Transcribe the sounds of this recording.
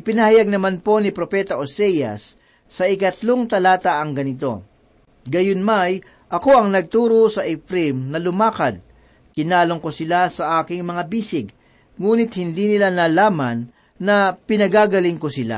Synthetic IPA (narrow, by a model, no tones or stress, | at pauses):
ʔɪpɪnɐhɐjaɡ̚nɐmanpo̞nɪpɾopɛt̪ɐʔosɛjɐ̰sː | ɐʔɪkɐt̪lo̞ŋt̪ɐlaːt̪ɐʔɐŋɡɐnɪt̪o̞̰ | ɡɐjʊnmaj | ʔɐko̞ʔɐŋnɐɡ̚t̪uːɾosɐʔɛfpɾimnɐlʊmaːkɐd̪̚ | kɪnaːloŋkosɪlasɐʔaːkɪŋmɐŋabiːsɪɡ | ŋuːnɪt̪̚hɪnd̪iːnɪlanaːlaːmɐnː | ɐpɪnɐɡaːɡɐlɪŋkosɪla̰